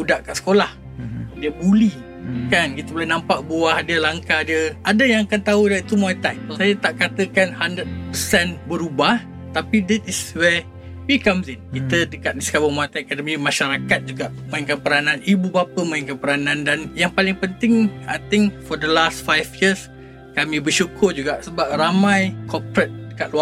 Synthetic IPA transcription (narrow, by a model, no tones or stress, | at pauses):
udaʔkaʔsə̥kolah | dəbuli | kankit̪əbolanãmpaʔbuahdiəlaŋkadiəʔadəjaŋakant̪audait̪umajt̪ajsajat̪aʔkat̪əkanhandɾəd̚pəsɛnbəɾubah | t̪apidɛt̪iswɛ | wikamsinkit̪ədəkat̪̚nisə̥kabʊŋmajt̪akadəmimaʃaɾakat̪̚d͡ʒuɡaʔmə̃iŋkanpəɾanãnibubapəmãiŋkanpəɾanãndanjaŋpalɪŋpənt̪ɪŋajt̪ɪŋfɔdəlastfajfjis | kamĩbəʃukʰʊrd͡ʒuɡaʔsəbap̚ramãjkʰɔpɾət̪̚dəkat̪̚lua